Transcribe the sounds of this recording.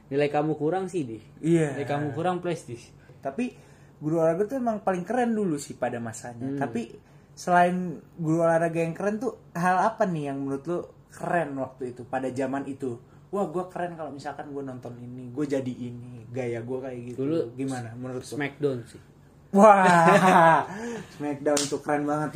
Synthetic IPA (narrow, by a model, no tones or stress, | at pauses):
nilaikamukuɾaŋsihdihijalajkamukuɾaŋplɛst̪ɪs | t̪api | ɡuɾualaɡat̪uemaŋpalɪŋkəɾɛndulusɪhpadamasaɲat̪api | səlaɪnɡuɾualaɾaɡajaŋkəɾɛnt̪uɦalapanɪjaŋmənuɾʊt̪lo | kəɾɛnwak̚t̪uit̪upadad͡ʒamanit̪u | wahɡuakəɾɛnkalomisalkanɡuanɔnt̪ɔniniɡuad͡ʒadiːniɡajaɡuakajaɡit̪uluɡimanamənuɾʊt̪ːmɛk̚dansɪh | wa | smɛk̚dant̪ukəɾɛnbaŋət̪